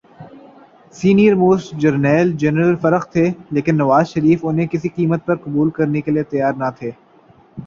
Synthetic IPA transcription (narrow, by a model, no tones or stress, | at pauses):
siːnijəɾmoːsd͡ʒɐɾnɛːld͡ʒɛnɾəlfɐɾəxt̪ʰeːleːkɪnːɐʋaːzʃɐɾiːfʊnɦẽkɪsiqiːmət̪̚pɐɾqɐbuːlkɐɾnekeliet̪ɐjaːɾnɐt̪ʰeː